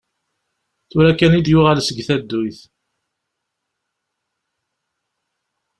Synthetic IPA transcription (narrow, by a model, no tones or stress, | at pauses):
θʊɾækænid̪jʊʁælsəɡθæd̪ːʊjθ